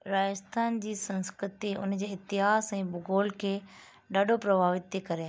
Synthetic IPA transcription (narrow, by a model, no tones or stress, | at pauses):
ɾaːd͡ʑəst̪ʰaːnd͡ʑiːsɐ̃nskɾɪt̪iʊ̰nd͡ʑeːɪt̪ɪɦaːsɛ̃ːbʊɡoːlkʰeː | ɗaːɖʱopɾɐbʱaːʋɪt̪ːikɐɾe